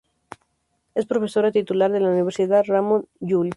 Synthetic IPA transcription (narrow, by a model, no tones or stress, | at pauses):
espɾofe̞soɾat̪it̪ulaɾðelauniβeɾsiðaramõnjul